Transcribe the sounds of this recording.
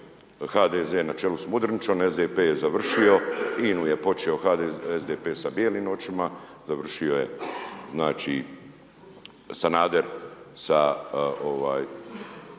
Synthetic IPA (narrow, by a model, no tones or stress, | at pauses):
xaːd̪ezeːnat͡ʃelusmud̪ɾnit͡ʃonezd̪eːpeːjezaʋr̩ʃio̞inuje̞po̞t͡ʃeo̞xaezd̪epeːsabjeliːmot͡ʃima | zaʋr̩ʃio̞je̞̰znaːt͡ʃi | sanaːd̪eɾsaoʋaːj